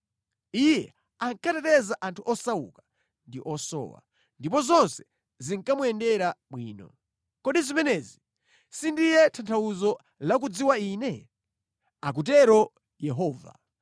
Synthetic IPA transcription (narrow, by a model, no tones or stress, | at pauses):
ijɛ | aŋkatɛtɛzaʔantʰuʔɔsaukḁ | ndiʔɔsɔ̰ːwa̰ | ndipɔzɔnsɛ̥ | ziŋkamuɛndɛɾaɓwiːnɔ̰ | kɔɗizimɛnɛzi | sindijɛtʰantʰawuzɔ | lak̬ud͡ziwainɛ | ak̬ut̬ɛɾɔ | jɛɦɔːva̰